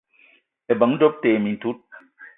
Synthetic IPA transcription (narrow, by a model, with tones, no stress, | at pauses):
e˨bɐ˨ŋdo˦p̚t̪eː˨mi˨nt̪u˦t̪̚